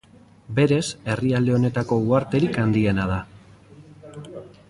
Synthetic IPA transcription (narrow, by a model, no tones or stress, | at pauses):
be̞ɾe̞se̞riald̪e̞o̞ne̞t̪ako̞uaɾt̪e̞ɾikand̪ie̞nað̞a